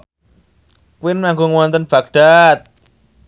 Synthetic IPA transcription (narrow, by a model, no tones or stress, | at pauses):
kwinmaŋkuŋwant̪ənb̥ak̚ɖ̥at̪̚